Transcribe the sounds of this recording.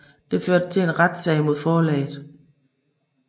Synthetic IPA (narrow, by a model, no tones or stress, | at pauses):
d̥e̝føɐ̰d̥ət͡sʰe̝enʁad̥sɛ̰ɪmo̝ð̞̰ˠfɒːlɛ̰ːɪð̩ˠ